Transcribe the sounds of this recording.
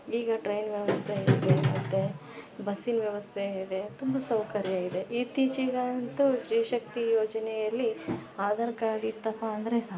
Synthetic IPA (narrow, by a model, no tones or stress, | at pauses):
iːɡɐʈɾɐjnʋjɐʋɐst̪ʰeeːd̪emɐt̪ːe | bɐsinʋjɐʋɐst̪ʰeed̪e̞t̪umbɐsɐwkɐɾjaːɡid̪eʔit̪iːt͡ʃiɡant̪uʃɾiːʃɐk̚t̪ijoːd͡ʒɐnɛjɐlːiaːd̪ɐɾkaːɽit̪ːɐpaɐnd̪ɐɾesa